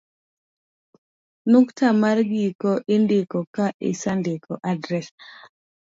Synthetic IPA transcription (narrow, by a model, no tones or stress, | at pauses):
nuktamarɡikɔʔɪndɪkɔkaʔɪ̰sandɪkɔʔadɾɛs